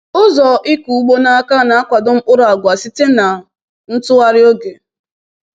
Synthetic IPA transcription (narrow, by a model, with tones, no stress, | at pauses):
ʊ˦zɔ˨ʔɪ˦ku˨u˦ɡ͡bo˦na˦ka˦na˨a˦kʷa˨dʊ˦m̩˦k͡pʊ˦ɾʊ˨a˨ɡʷa˨si˦te˦na˨ | n̩˦tʊ˦a˦ɾɪ˦o˦ɡe˨